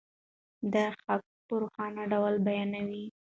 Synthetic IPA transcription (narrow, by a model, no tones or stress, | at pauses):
d̪əxak̚ | pəɾoxɑnaɖawlbajɑnawi